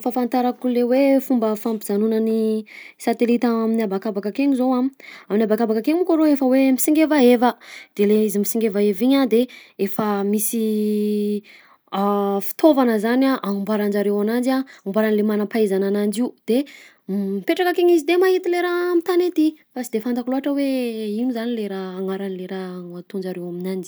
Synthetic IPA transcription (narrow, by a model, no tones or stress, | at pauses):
fafant̪aɾakulewefumbəfampizanunəni | sat̪elit̪aaminabakabakakeɲizowamaminabakabakakeɲukoɾoefəwemisiŋɡevaevəd̪̥eleizimisiŋɡevaeviɲad̪eefəmisi | afi̥t̪ʰovanəzanaʔaumbaɾand͡ʒaɾewanand͡ʒaumbaɾanilemanapaizananand͡ʒiud̪̥e | mipeʈ͡ʂakakeɲizid̪emaɦit̪ileɾamit̪anet̪ifasid̪efand̪akuluɦaʈ͡ʂəweinuzanileɾaaŋaɾanileɾaŋat̪und͡ʒaɾewaminani